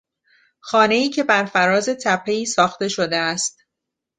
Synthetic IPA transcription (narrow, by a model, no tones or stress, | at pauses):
xɒːne̞iːcʰe̞bæɾfæɾɒːze̞t̪ʰæpʰːe̞iːsɒːxt̪e̞ʃo̞d̪e̞æst̪